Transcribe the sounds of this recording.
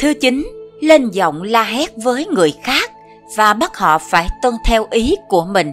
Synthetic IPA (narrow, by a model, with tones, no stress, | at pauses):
t̪ʰɨ˨˦t͡ɕï˨˦ŋ̟le˧nzɔ̰˧˨wŋ͡mlaː˧ɦɛ˦˥t̚vəː˨˦jŋɨ˨˩əjxaː˦˥k̚ | vaː˨˩ɓa˦˥t̚hɔ̰˧˨faː˧˩jt̪ə˧nt̪ʰɛ˧wʔi˨˦ku˧˩əmï˨˩ŋ̟